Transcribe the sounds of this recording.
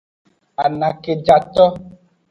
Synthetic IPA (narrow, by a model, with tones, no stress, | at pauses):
a˨nã˨ke˨d͡ʒa˨t̪ɔ˦